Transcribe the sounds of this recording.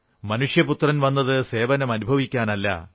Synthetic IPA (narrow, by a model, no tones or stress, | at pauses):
mɐnuʂjɐput̪rɐnʋɐnːɐðɨse̞ːʋɐnɐmɐnubʱɐʋikʲːaːnɐlːɐ̰